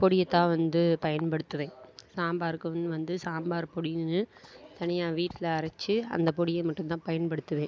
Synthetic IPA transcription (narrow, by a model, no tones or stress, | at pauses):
pɔɽɪjɐt̪ːãːʋɐnd̪ɯpɐjɐnpɐɽɯt̪ːɯʋẽːsaːmbaːɾɯkːɯnʋɐnd̪ɯsaːmbaːɾpɔɽɪjnnɯt̪ɐnɪjaːʋiːʈːɪlɐɐɾɐt͡ʃːɯɐ̰nd̪ɐpɔɽɪjɐmɐʈːɯmt̪ãːpɐjɐnpɐɽɯt̪ːɯʋẽː